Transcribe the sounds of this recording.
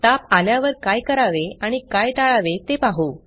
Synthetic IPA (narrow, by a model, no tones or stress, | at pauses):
t̪apaljaʋəɾkajkəɾaʋeaɽ̃ikajʈaɭaʋet̪epaɦo